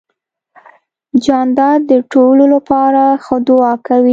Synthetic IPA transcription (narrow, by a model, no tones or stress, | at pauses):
d͡ʒɑnd̪ɑd̪əʈololapɑɾaxəd̪oɑkawi